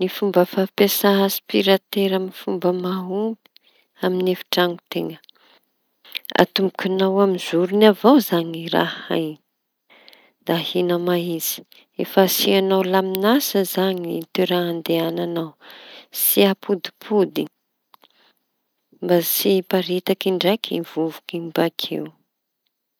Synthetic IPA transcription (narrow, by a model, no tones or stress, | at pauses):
nifumbəfapesaɦəsi̥piɾat̪eɾamifumbəmaɦumbi̥ | aminefi̥ʈ͡ʂaŋut̪eŋə̥ | a̰t̪umukʲunawamiz̥uɾunavowzaŋiɾa̰ha̰jɲ | d̪̥ahinəmaiz̥i̥ | efəsianawlaminasəzaɲit̪eɾaɦand̪eananawsiapʰud̪i̥pʰud̪i | mbasipaɾit̪akiɳɖ͡ʐajkʰḭvuvukimbakʰḛw